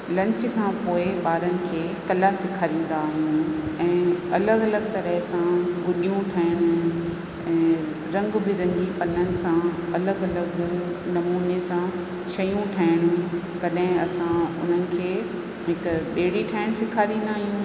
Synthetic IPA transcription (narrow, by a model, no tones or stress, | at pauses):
lɐ̃ɲt͡ɕkʰãːpoːɪɓaːɾənɪ̆kʰeːkɐlasɪkʰaːɾĩːn̆d̪aːɦijũɛ̃ːɐləɡɐləɡt̪ɐɾəɦɪsãɡʊɗijũʈʰaːɪɽ̃ʊ̆ | ɛ̃ː | ɾɐ̃ŋɡbɪɾɐ̃ŋɡipɐnənɪ̆sãɐləɡɐləɡnɐmuːnesã | ʃɐjũʈʰaːɪɽ̃ũ | kɐɗɦɪ̃ɐsãʊn̤ənɪ̆kʰeː | ɦɪkəɓeːɽiʈʰaːɪɽ̃sɪkʰaːɾĩːn̆d̪aːɦijũ